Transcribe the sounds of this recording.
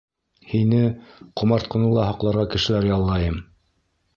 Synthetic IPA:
hinɘqŏmɑɾt̪̚qŏnɤlːˠɑɦɑqlˠɑɾʁɑkɘ̆ʃɘ̆læɾjɑlˠːɑjɤm

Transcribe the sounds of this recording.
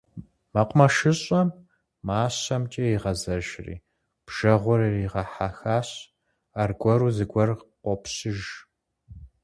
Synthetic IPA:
mɐqʷmɐʃɨɕʼɐm | maːɕɐmt͡ʃʼɐiʁɐzɐʒrḭː | b̥ʒ̥ɐʁʷʊɾɨriʁɐħaːxaːɕ | arɡʷʼɔɾuːzɨɡʷɔrqʷɔpʰɕɪʒ

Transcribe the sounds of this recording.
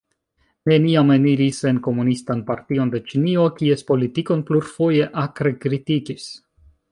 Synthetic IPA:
ne̞niameniɾise̞nko̞munistanpaɾtio̞nde̞t͡ʃinio̞kie̞spo̞litiko̞npluɾfo̞je̞ʔakɾekɾitikis

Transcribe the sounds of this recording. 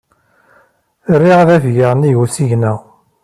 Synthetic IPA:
rːiʁaðævjəʁniʝusiʝnæ

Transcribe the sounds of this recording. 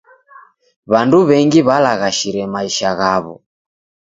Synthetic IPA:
βanduβɛŋɡiβalaɣaʃiɾɛmaiʃaɣaβɔ̰

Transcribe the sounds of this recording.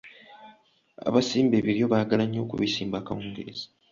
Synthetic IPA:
a̰βasiːmbeβiɾjo̞βaɡalaɲːo̞ːkṵβisiːmbaːkawuːŋɡeɾez̥ḁ

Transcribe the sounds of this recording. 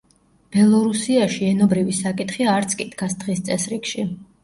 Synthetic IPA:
b̥ɛlˠɔɾusiaʃiɛnɔbɾivisakʼit̪χiaɾt̪sʰkʼid̪ɡasd̪ʁist̪sʼɛsɾikʃi

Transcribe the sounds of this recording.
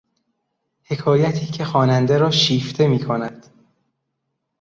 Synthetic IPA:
he̞kʰɒːjæt̪ʰiːcʰe̞xɒːnænd̪eɾɒːʃiːft̪ʰe̞miːkʰo̞næd̪̥

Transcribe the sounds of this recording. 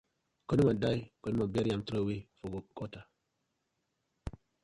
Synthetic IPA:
konimadajkonimabeɾjamtɾowifoɡokota

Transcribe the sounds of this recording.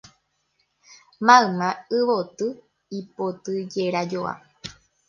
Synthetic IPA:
mãɨ̃mãɨʋot̪ɨ | ipot̪ɨd͡ʒeɾad͡ʒoa̰

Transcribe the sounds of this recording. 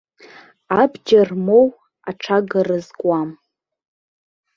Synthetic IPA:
abd͡ʒarmow | aʈ͡ʂʰaɡarɨzkʼwam

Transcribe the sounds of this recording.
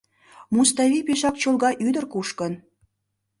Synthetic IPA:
must̪ɑvipeʃɑkt͡ɕolɣɑʔyd̪ə̆rkuʃkən

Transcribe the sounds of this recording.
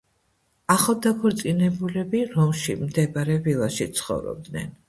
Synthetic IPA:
aχad̪akʰɔɾt̪sʼinɛbulɛbiɾɔmʃḭmd̪ɛbaɾɛvilˠaʃit̪sʰχɔ̰vɾɔ̰b̚d̪nɛ̰n

